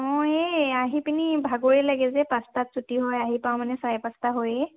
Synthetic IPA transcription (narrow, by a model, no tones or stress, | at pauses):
ɔ̃eaɦipinibʱaɡoɹilaɡɛzɛpastatsutiɦɔjaɦipaw̃manɛsajpastaɦoje